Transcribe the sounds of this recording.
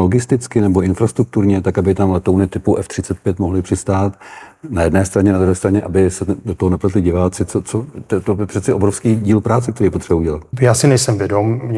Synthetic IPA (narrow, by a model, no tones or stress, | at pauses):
lo̞ɡɪst̪ɪt͡skɪnɛboʔɪnfɾast̪ɾuk̚t̪uɾɲɛt̪akabɪt̪amlɛt̪ownɪt̪ɪpuʔɛft̪r̥ɪt͡sɛt̪̚pjɛt̪moɦlɪpr̝̥ɪst̪aːt̪najɛdnɛːst̪ɾaɲɛnad̪ɾuɦɛːst̪ɾaɲɛʔabɪsɛdot̪oɦonɛplat̪ɪlɪɟɪvaːt͡sɪt͡sot͡sot̪ɛt̪obɪpr̥ɛt̪t͡sɛʔobɾofskiːɟiːlpɾaːtt͡sɛk̚t̪ɛɾiːjɛpot̪r̥ɛbauɟɛlat̪̚jaːsɪnɛjsɛmvjɛdomɲɛ